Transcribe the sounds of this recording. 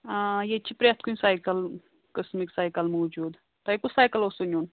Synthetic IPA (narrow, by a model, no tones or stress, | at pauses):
jet͡ɕipɾjat̪kũsajkəl | kəsmiksajkəlmɐwd͡ʑuːd̪ | t̪ɐekusajkəlosunuːn